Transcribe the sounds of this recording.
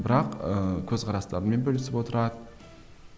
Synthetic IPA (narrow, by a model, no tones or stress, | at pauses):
bɪɾɑqəkʲʰɵzqʰɑɾɑst̪ɑ̰ɾənme̞nbɵlɪsɪpwo̞t̪əɾɑd̪ə